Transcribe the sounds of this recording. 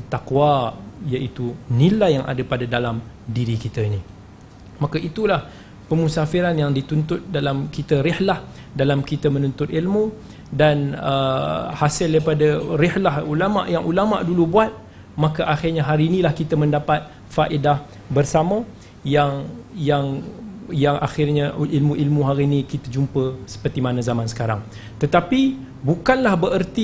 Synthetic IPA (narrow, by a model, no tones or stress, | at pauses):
t̪akwajaʔit̪unilajːaŋʔa̰dəpadadalam | diɾikit̪əini | makaʔit̪ulah | pəmusafiɾanjaŋdit̪unt̪ʊt̪̚dalamkit̪əɾɪhlah | dalamkit̪əmə̃nunt̪ʊt̪̚ilmu | danəhasɪldaipadarɪhlaɦulama̰ʔjaŋʔulama̰ʔdulubuat̪̚ | mãkaʔaxɪrɲaɦaɾiːnilahkit̪amə̃ndapat̪̚ | faʔidah | bərsama | jaŋjaŋjaŋʔa̰xɪrɲaʔilmuʔilmuɦaɾiːnĩkit̪əd͡ʒumpəsə̥pərt̪imanazamãnsə̥kaɾaŋ | t̪ət̪api | bukanlahbəʔərt̪i